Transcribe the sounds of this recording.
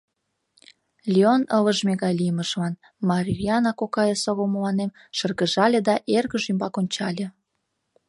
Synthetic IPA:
lʲionələʒmeɣɑjlʲijəməʃlɑn | mɑɾʲiriɑnɑkokɑjesoɣoməlɑnem | ʃə̆rɣəʒɑlʲĕd̪ɑʔerɣəʒymbɑkonʲt͡ɕɑlʲĕ

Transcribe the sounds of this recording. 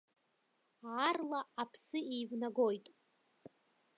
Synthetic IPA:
ʕarlaapʰsɨejvnaɡojtʼ

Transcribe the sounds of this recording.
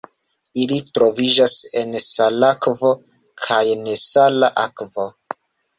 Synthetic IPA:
ilitɾo̞vid͡ʒase̞nsalakvo̞ | kʰajnesalaʔakvo̞

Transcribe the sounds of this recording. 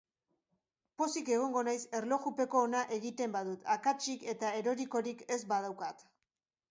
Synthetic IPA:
po̞sike̞ɣ̞o̞ŋɡo̞najse̞ɾlo̞ɣupe̞ko̞ːnaʔe̞ɣit̪e̞mbaðut̪akat͡ʃike̞t̪ae̞ɾo̞ɾiko̞ɾike̞zbað̞awkat̪

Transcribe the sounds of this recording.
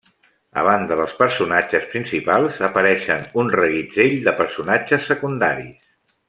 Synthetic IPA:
ə̰β̞and̪əðəlˠspəɾsunad͡ʒəspɾinsipalˠzəpəɾɛʃənunrəɣid͡zeʎd̪əpəɾsunad͡ʒəsːəkund̪a̰ɾḭs

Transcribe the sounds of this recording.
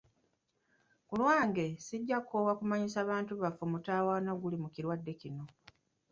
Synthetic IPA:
kulwaːŋɡe̞siɟːakowakumaɲisaːβaːntuβafomutaːwaːnoɡulimukiɾwadːe̞cino̞

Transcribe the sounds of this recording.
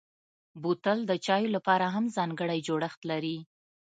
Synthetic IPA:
but̪əld̪ət͡ʃɑjolapɑɾaɦamzɑŋɡəɽajd͡ʒoɽəxt̪laɾi

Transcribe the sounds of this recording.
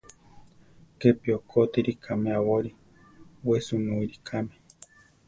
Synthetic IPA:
kepiokʰot̪eɾikʰamẽaβoɾi | wesunũiɾikʰame

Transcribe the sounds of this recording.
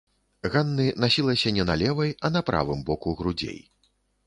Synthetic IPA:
ɣanːɨnasʲilˠɐsʲɐnʲɛnalʲɛvɐjɐnɐpɾʔa̰vɨmbɔkuɣɾud͡zʲḛj

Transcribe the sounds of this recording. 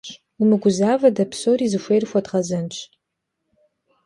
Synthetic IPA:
umɨɡʷʊzaːvɐdɐpʰsoːɾiːzɨʃʷejrxʷɐdʁɐzɐnt͡ʃʰʼ

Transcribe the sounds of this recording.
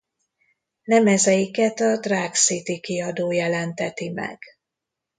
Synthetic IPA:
nɛmɛzɛjikɛt̪ɒd̪raːksit̪ikiɒd̪oːjɛlɛnt̪ɛt̪imɛ̰ɡ̥

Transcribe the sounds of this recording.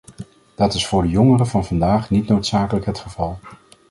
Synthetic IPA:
d̥ɑtɪsfʊːɹdəjɔŋərəvɑnvɑndaːχnitnowtsaːkələkɦətχəv̥ɑlˠ

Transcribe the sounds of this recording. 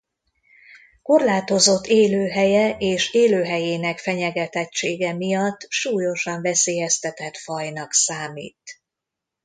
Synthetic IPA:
ko̞rlaːt̪o̞zo̞t̪ːeːløːɦɛjɛʔeːʃeːløːɦɛjeːnɛkfɛɲɛɡɛt̪ɛt͡ʃːeːɡɛmijɒt̪ːʃuːjo̞ʃɒɱvɛseːjɛst̪ɛt̪ɛt̪fɒjnɒksaːmḭːt̪

